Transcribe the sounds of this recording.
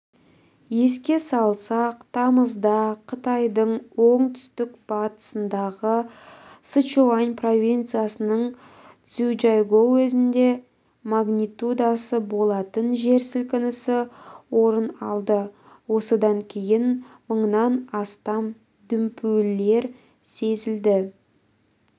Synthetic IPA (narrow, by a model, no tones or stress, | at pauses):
je̞skʲe̞sɑlˠsɑqt̪ʰɑməzd̪ɑqʰət̪ɑjd̪əɴwo̞ɴt̪ʰʏ̥st̪ɪkb̥ɑt̪ə̥sənd̪ɑʁəsət͡ʃoanʲpro̞vʲint̪sɨjasənəɴ | t̪sud͡ʒɑjɡowɵzɪnd̪e̞ | maɡnʲit̪ud̪asəbo̞lˠɑt̪ənʒe̞ɾsɪlkʲɪnɪsɪwo̞ɾənɑlˠd̪ə | wo̞səd̪ɑŋkʲʰe̞jɪnməɴnɑnɑst̪ɑm | d̪ʏmpʰølːe̞ɾ | se̞zɪld̪ɪ